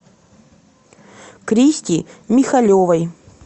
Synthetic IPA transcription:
kɾʲisʲtʲimʲɪxɐlʲovɐj

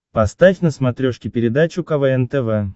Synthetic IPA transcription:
past̪afʲnəsmat̪ɾʲoʂkʲɪpʲɪɾʲɪd̪at͡ɕukavɛɛnt̪əvɛ

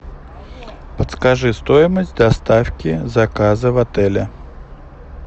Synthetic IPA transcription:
pɐt̪skaʐɨst̪ɔjməsʲtʲd̪ɐst̪afkʲizakazɐvat̪ɛlʲɐ

